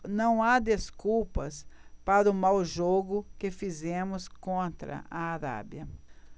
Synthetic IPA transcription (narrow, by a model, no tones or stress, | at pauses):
nɐ̃w̃ad̪eskuwpɐspaɾɐʊmawʒoɡʊkɪfizẽmʊskõnt̪ɾɐ̰ʔɐaɾa̰bjɐ